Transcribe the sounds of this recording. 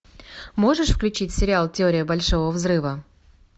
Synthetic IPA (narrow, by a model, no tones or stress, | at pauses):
mo̞ʐɨʂfklʲʉt͡ɕitʲsʲɪɾʲɪalˠtʲɪoɾʲɪjəbɐlʲʂovəvzɾɨvə